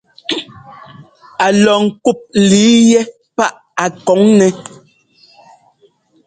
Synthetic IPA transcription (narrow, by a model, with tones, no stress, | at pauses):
a˨lɔ˨ŋ̩˨ku˦˨p̚li˨˦jɛ˦ | pa˦ʔ | a˨kɔ˨˦ŋnɛ˦